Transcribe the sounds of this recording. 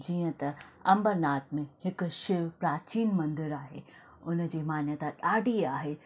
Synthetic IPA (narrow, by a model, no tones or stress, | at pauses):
d͡ʑiːə̃t̪ɐɐ̃mbəɾnaːt̪mẽhɪkʃɪʋpɾaːt͡ɕiːnmɐ̃nd̪ɪɾaːɦḛː | ʊnə̆d͡ʑeːmaːnjət̪aɗaːɖʱiaːɦeː